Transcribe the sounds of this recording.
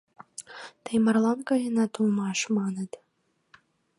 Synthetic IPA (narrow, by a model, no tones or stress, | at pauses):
t̪əjmɑrlˠɑnkɑlʲenɑt̪ulmɑʃmɑnə̆t̪